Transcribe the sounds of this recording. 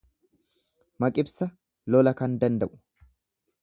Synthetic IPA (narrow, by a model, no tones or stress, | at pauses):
mɐkʼɪbsɐ | lɔlɐkɐnd̪ɐnd̪ɐʔʊ̥